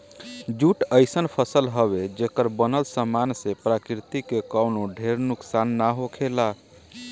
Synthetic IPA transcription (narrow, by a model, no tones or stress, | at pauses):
d͡ʒuʈəɪsənpʰəsəlɦəβed͡ʒekəɾbənəlsəmansepɾakɾit̪ikekəwnoɖʱeɾnuksanːaɦokʰela